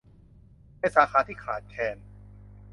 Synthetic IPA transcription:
a˥˧˩saː˨˦xaː˧t̪ʰiː˥˩kʰa̰ː˨˦t̪̚kʰɛː˧n

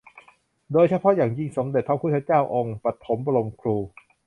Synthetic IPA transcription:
doː˧jt͡ɕʰa˧˥pʰɔ˦˥jaː˨˩ŋji˧˩ŋso˩˦mde˨˩t̪̚pʰa˧˥˩pʰuː˥˩a˥˩t͡ɕaː˥˩wʔo˧ŋpa˨˩t̪ʰːo˩˦mba˧lo˧mkʰɾuː˧

